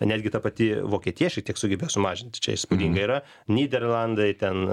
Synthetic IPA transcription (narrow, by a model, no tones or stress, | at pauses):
nʲæːd̪ʲɡʲɪt̪ɐpɐt̪ʲɪʋoːkʲiɛt̪ʲiːjɛʃʲɛkt̪ʲiɛksʊɡʲɛbʲeːjsʊmɑːʒʲɪnʲt̪ʲt͡ʃʲɛ̰ɪspʊdʲiːŋɡɐiːɾɐ | nʲiːd̪ʲɛrlˠɑnd̪ɐɪt̪ʲɛn